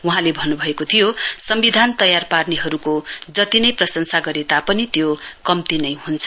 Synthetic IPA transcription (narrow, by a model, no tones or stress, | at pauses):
uɦãlebʱʌnːubʱʌekot̪ʰijosʌmbid̪ʱant̪ʌjarparneɦʌɾukod͡zʌt̪inʌjprʌsʌnsaɡʌɾet̪apʌnit̪jokʌmt̪inʌjɦunt͡sʰʌ̥